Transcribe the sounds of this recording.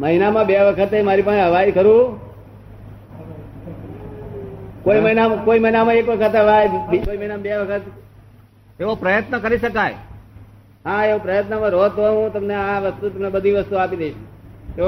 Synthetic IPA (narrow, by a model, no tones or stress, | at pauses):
məɦinamãbeʋəkʰət̪emaɾipə̃ɳɦəʋajkəɾũ | koiməɦinakoiməɦinamãekʋəkʰət̪ɦəʋajkoiməɦinambeʋəkʰət̪ | eʋopɾəjət̪nəkəɾiʃəkaj | ɦãeʋopɾəjət̪nəmãɾot̪oɦũt̪əmneaʋəst̪ut̪əmnebəd̪ʱiʋəst̪uapid̪eiʃu̥t̪e